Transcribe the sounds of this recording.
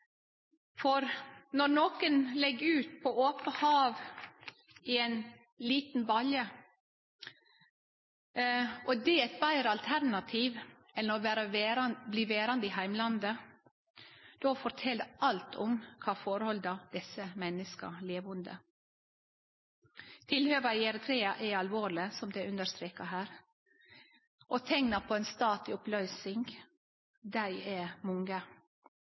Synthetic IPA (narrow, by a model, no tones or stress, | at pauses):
fɔɾnɔɾnoːkənlɛɡʉːt̪̚pʰɔoːpəhɑːʋ | iɛn | liːt̪n̩bɑljə | ʔɔd̪ɛɛt̪̚bæɪɾəɑlt̪ʰæɾnɑt̪ʰiːʋ | ɛləɾɔʋæːɾəʋeɾɑnbliːʋeːɾɑnd̪əihæɪmlɑnd̪ə | d̪̥oːfɔɾt̪ʰɛld̪ʔɑlt̪ʰɔmkʰɑːfɔɾhɔld̪ɑd̪̥ɛsəmɛnəskə̰leːʋʊnd̪ə̰ | t̪ʰɪlhøːʋəɪɛɾət̪ʰɾeːɑʔɛɑlʋoːɾlɪsɔmd̪ɛʔʉnd̪əɾst̪ɾeːkəɦæːɾ | ʔoːt̪ʰɛŋnɑpʰɔɛnst̪ɑːt̪lɪɔplœʏsɪŋɡ | d̪æɪɛmʊŋɡə